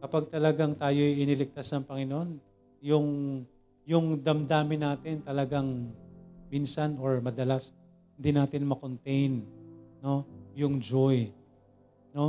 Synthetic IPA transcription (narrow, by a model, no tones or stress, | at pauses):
kɐpaɡ̚t̪ɐlɐɡaŋt̪aːjo̞jʔɪnɪlɪk̚t̪asnɐŋpɐŋɪnoʔon | jʊŋ | jʊŋd̪ɐmd̪aːmɪnaːt̪ɪnt̪ɐlɐɡaŋ | minsɐnoɹmɐd̪ɐlas | hɪnd̪inaːt̪ɪnmɐkont̪ɛjnːo̞jʊŋd͡ʒoj | no̞